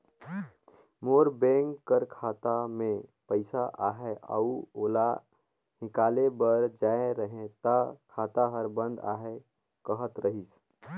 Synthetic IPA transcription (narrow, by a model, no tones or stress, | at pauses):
moːɾbẽːŋkkːəɾkʰaːt̪amẽpəɪsaʔaːɦeʔə̰uoːla | ɦɪkaːlebəɾd͡ʒaːeɾəɦẽt̪akʰaːt̪aɦəɾbə̃nd̪a̰ːɦe | kəɦət̪ɾəɦis